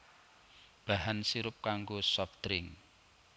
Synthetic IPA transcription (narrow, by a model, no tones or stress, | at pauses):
b̥a̤ɦansiɾʊp̚kaŋɡosɔft̪ɾɪŋ